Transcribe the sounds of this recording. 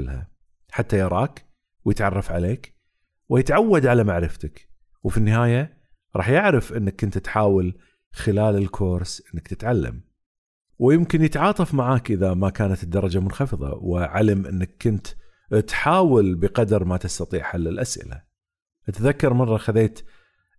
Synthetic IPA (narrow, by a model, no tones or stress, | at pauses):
lha̰ | ħat̪ːajɑɾˤɑːk | wjɪt̪ʕɑrˤːɑfʕaleːk | wɪjɪt̪ʕawːad̪ʕalamaʕɾɪft̪ak | wfinːɪɦaːja | ɾˤɑ̰ːħjɪʕɾɪfʔɪnːakːʊnt̪t̪ħaːwal | xɪlaːlɪlkʰoːɾsʔɪnːakt̪ɪt̪ʕalːa̰m | wjɪmkɪnjɪt̪ʕɑːt̪ˤɑfmaʕaːkʔɪðamakaːnat̪d̪ːɑɾˤɑd͡ʒamʊnxɑfɨðˤɑ̰wɪ̰ʕalamʔɪ̰nːakːʊnt̪ | t̪ħaːwɪlbɪqɑd̪ɾˤmat̪ɪst̪ɑt̪ˤiːʕħalːɪlʔasʔɪ̰la̰ | ʔat̪ðakːɑɾˤmɑrˤːɑxaðeːt̪